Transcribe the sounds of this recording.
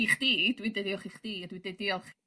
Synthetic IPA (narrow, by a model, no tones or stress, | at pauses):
iχd̥iːd̥widɛdiɔχiχd̥iːdwidɛdiɔχ